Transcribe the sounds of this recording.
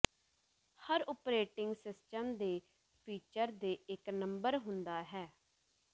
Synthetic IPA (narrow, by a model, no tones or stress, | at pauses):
həɾʊpɾeːʈɪŋɡsɪsʈəmd̪eː | pʰiːt͡ʃəɾd̪eːɪknəmbəɾɦʊnd̪aːɦɛː